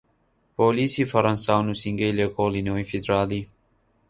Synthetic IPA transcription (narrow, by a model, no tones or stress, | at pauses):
polisifɐɾɐnsawnusiŋɡejlekolinoːjfid̪ɾaːli